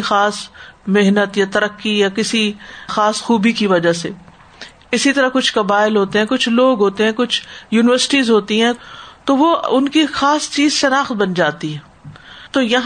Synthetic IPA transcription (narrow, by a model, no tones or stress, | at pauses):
xaːsmeɦnət̪jat̪ɐɾəkːijakɪsixaːsxuːbikiʋɐd͡ʒase | ɪsit̪ɐɾakʊt͡ʃʰkɐbaːɪlɦoːt̪eɦɛ̃ːkʊt͡ʃʰloːɡɦoːt̪eɦɛ̃ːkʊt͡ʃʰjuːnɪʋəɾsɪ̥ʈizɦoːt̪iɦɛ̃t̪oːʋoʊnkixaːst͡ʃiːzʃɐnaːxt̪̚bɐnd͡ʒaːt̪iɦɛ̃ː | t̪oːjɐɦ